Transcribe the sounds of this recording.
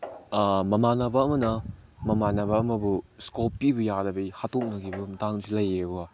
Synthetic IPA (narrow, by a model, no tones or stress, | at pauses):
mɐmanɐbɐːmɐnɐmɐmanɐbɐːmɐbuskopːibɐjadɐbɐjhatok̚nɐɡibɐmɐtaŋzilɐjeua